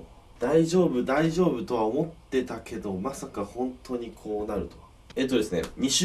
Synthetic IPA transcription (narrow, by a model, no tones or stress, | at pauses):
d̪̥aiʑo̞ːbɯ̟d̪aiʑo̞ːbɯ̟t̪o̞βaomo̞t̪ːe̞t̪akʰe̞d̪o̞masakahõ̞nt̪ʰo̞ɲ̟ikʰo̞ːnaɾɯ̟t̪o̞a | e̞ːt̪ːo̞d̪e̞sɨnḛɲ̟iɕ